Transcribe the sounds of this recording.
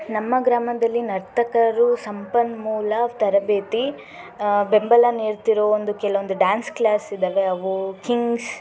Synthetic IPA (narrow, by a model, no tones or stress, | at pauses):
nɐmːɐɡɾaːmɐd̪ɐlːinɐɾt̪ʰɐkɐɾusɐmpɐnmuːlɐʋt̪ɐɾɐbeːt̪i | bembɐlɐneːɾt̪iɾoːond̪ukɛlɐʋond̪uɖaːnsklaːsid̪ɐʋeɐʋukiŋɡs